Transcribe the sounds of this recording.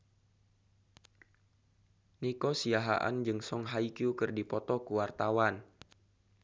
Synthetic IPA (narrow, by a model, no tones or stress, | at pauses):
nikɔsiaɦa̰ʔa̰nd͡ʒɨŋsɔŋɦaikjukɨrdipɔt̪ɔkuwart̪awan